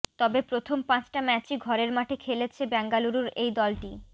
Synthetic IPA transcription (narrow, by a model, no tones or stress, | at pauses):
t̪ɔbepɾot̪ʰompãt͡ɕʈamɛt͡ɕiɡʱɔɾeɾmaʈʰekʰelet͡ɕʰebɛŋɡaluɾuɾejd̪ɔlʈi